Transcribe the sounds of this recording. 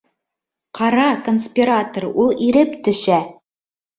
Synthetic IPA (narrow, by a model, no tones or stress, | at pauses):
qʰɑɾɑkonsʲpʲiɾat̪oɾulˠiɾɘpt̪ɵ̆ʃæ